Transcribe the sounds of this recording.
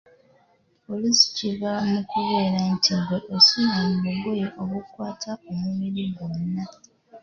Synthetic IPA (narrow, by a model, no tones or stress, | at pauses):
polisi̥ciβamukuβe̞ːɾantiŋɡweʔosuɲamumuɡojeʔoβukwaːtʰaomumiɾiɡonːa